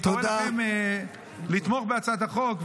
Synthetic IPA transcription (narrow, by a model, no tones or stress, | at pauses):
t̪oedaem | lit̪moχbeat͡sad̪haχo̞kv